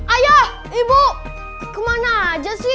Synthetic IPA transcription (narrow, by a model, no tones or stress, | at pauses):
ajah | ibuʔ | kəmanad͡ʒəsi